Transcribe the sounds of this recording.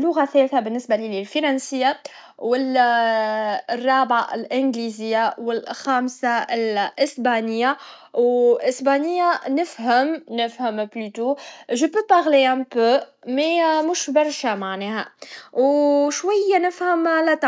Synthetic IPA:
lːʊɣaθɛːlθabɪnːɪsbalililfiɾˤɑnsɪjːa | wɪl | rˤːɑːbʕaʔɪlʔɪnɡlizɪjːawɪlxaːmsaɪlʔɪsbanɪjːa | wʔɪsbaːnɪjːanɪfɦəmnɪfhəmblyt̪uʒəpøpaɣleæ̃mpømɛmʊʃbɑɾˤʃamaʕnɛːhæwʃwajːanɪfhəmʕalæt̪ɑ

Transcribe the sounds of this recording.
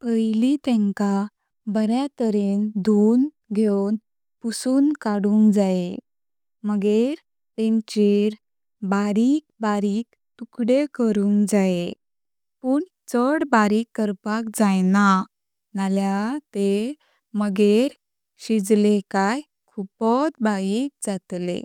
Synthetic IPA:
pəjlit̪ẽŋka | bəɾjat̪əɾend̪ʱun | ɡʱewn | pusuːnkaɽuːŋɡd͡zae | məɡeɾ | t̪ẽɲt͡ɕiɾ | baɾiːk̚baɾiːk̚ | t̪ukɽekəɾuːŋd͡zae | puːɳ | t͡səɽbaɾiːkːəɾpak̚d͡zajna | naljat̪e | məɡeɾ | ɕid͡zlekaj | kʰupɔt̪bajik̚d͡zat̪lḛ

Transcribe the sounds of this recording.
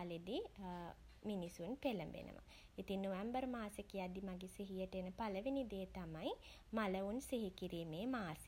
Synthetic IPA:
led̪i | minisunpeləmbḛnʔə̰ʋa̰ | it̪iŋnoʋɛmbərmaːsəkiad̪imaɡiseɦijəʈəenəpaləʋinid̪eːt̪amaj | maləunseɦikiɾiːmeːmaːse

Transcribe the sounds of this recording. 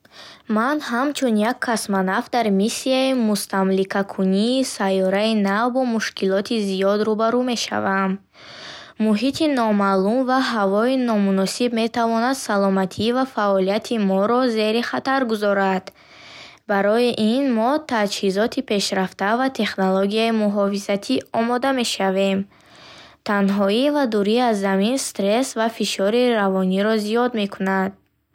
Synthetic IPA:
manɦamt͡ʃʰunjakʰːasmanafd̪aɾmisːiaimust̪amlikʰakʰuniːsajɔɾainavbɔmuʃkilɔt̪ʰizijɔd̪ɾubaɾume̞ʃa̰vamː | uɦit̪ʰinɔmalumvaɦavɔinɔmunɔsibme̞t̪ʰavɔnad̪salɔmat̪ʰivafaɔlijat̪ʰimɔɾɔze̞ɾiχat̪aɾɡuzɔɾad̪ | baɾɔiʔinmɔt̪ʰad͡ʒhizɔt̪ʰipʰe̞ʃɾaft̪avat̪ʰe̞χnoloɡijaimuɦɔfizat̪ʰiɔmɔd̪ame̞ʃave̞m | t̪ʰanɦɔivad̪uɾiazːaminst̪ɾe̞svafiʃɔɾiɾavɔniɾɔzijɔd̪me̞kʰunad̪̥̚

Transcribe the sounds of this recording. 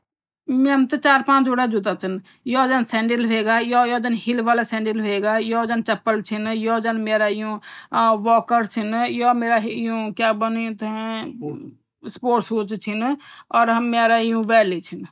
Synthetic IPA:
mɛɦəmt̪ɔt͡ʃaɾpãːt͡ʃoɽad͡ʒut̪at͡ʃʰən | jɔd͡ʒansɛ̃ːɳɖilɦeɡajɔjɔd͡ʒənhilʋaːlasɛ̃ɳɖilɦeɡajɔd͡ʒant͡ʃəpːəlt͡ʃʰinjɔd͡ʒanmeɾaijũʋɔkəɾt͡ʃʰinjɔmeːɾaɦijũkabənit̪ | spoːɾʈsut͡ʃt͡ʃʰinɔːɾɦəmːeɾaijũʋɛːlit͡ʃʰin

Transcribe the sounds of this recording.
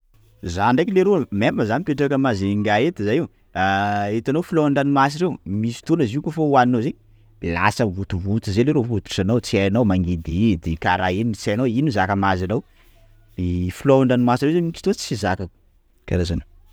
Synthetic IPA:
zaɳɖ͡ʐajkileɾomepməzanipeʈ͡ʂakəmazeŋɡaet̪izajiw | aet̪anofilauɳɖ͡ʐanimas̬iɾewmisi̥t̪onəziukofauaninozeɲ | ela̰səvut̪uvut͡sizeleɾofut̪u̥sanawt͡siajanawmaŋɡed̪id̪ekaɾaeniit͡siajnawinuzakəmazanaw | ifilouɳɖ͡ʐanimasirewzeii̥t̪ot͡si̥sizakə | kaɾazano

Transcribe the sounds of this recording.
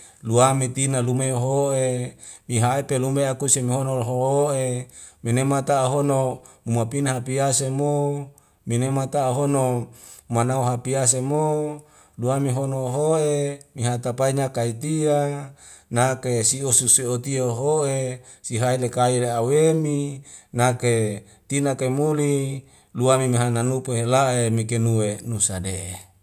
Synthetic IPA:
luamit̪inalumeoɦoʔemiɦaepelumeakusemiɦonoɦooeminemat̪aːɦonomumapinɦapiasemo | minemat̪aːɦonomanauɦapias̬emo | luamiɦonoɦoʔemiɦat̪apaiɲakait̪ia | nakesiosusiot̪ioɦoʔe | siɦailekaileaweminake | t̪inakemuli | luamimiɦananupeɦelaʔemikenuwenusadeʔe

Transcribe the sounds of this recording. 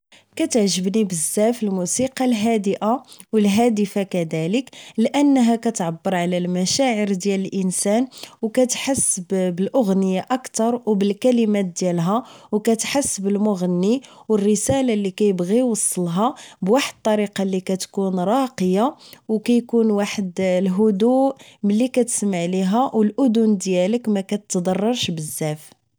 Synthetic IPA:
kæt̪əʕʒəbnibəzːæfəlmusiqɑlɦæd̪əʔawəlɦæd̪əfakæd̪æləklʔənːɦækæt̪ʕabːəɾˤʕlælmæʃæʕəɾd̪jæləlʔənsænwkæt̪ħasːəbbəlʔʊɣnəjaʔəkt̪ɑɾˤwbəlkælimæt̪̚d̪jælɦæwkæt̪ħasːəbəlmʊɣənːiwərːəsælalːikæjəbɣiwɑsˤːəlɦɑbwaħəd̪̚t̪ˤːɑɾiqɑlikæt̪kunɾˤɑqəjawkæjkunwaħəd̪lɦʊd̪uʔməlːikæt̪ə̥smaʕliɦæwəlʔʊd̪ʊnd̪jæləkmækæt̪t̪ːd̪ˤɑrˤːɑɾˤʃbəzːæf

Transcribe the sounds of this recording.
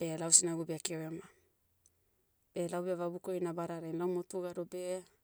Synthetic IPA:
b̥e̞lawsinaɡubiakewema | b̥e̞lawbiavabukojnabaɾaɾajnlawmotuɡaɾobe

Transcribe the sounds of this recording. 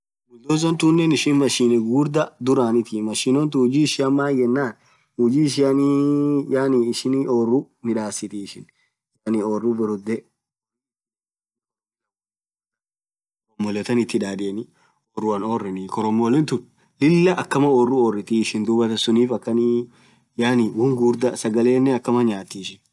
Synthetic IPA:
mʊld̪oːs̬ɔnt̪unːɛnɪʃɪnmɐʃiːnɛɡuːɾd̪ɐd̪ʊɾaːnɪt̪ɪmɐʃiːnɔnt̪̬ʊhʊd͡ʒiːʃɪɐmːaːjɛnːaːn | ʊd͡ʒiːɪʃ̬ɪɐnijaːniɪʃɪnoːrːʊ | mɪᶑaːsːɪt̪iɪʃɪn | jaːnioːrːʊbɪɾʊd̪ɛ | ɔmːɔlɛt̪ɐnɪt̪ːɪᶑ̪aːᶑɪɛnɪ | oːrʊɐnoːrːɛnikɔɾɔmːɔlɛnt̪ʊn | lɪlːɐʔɐkːɐmɐoːrːʊoːrːɪt̪iɪʃɪnd̪uːbɐt̪ɐsʊniːfɐkːɐni | jaːnɪwʊŋɡuɾd̪ɐsɐɡɐle̞ːnːɛɐkːɐmɐɲaːt̪ːiʃɪn

